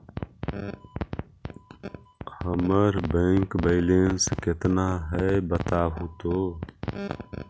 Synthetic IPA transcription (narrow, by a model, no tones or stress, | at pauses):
həməɾbẽːŋkbeɪleːnskɪt̪naːɦɛbət̪aːɦut̪oː